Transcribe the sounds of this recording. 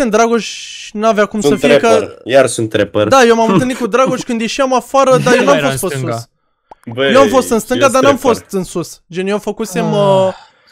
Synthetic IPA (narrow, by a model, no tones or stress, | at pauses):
end̪ɾaɡo̞ʃʲnuaveakumssəfiekəjarsunt̪ːɾepərd̪ajewmamɨnt̪ɨlnit̪kud̪ɾaɡo̞ʃt̪ʲkɨnd̪je̞ʃiamafaɾəd̪ajewnamfo̞st̪fossus | jewamfo̞st̪ɨnst̪ɨŋɡad̪anamfo̞st̪ɨnsusd͡ʒenofəkuse̞m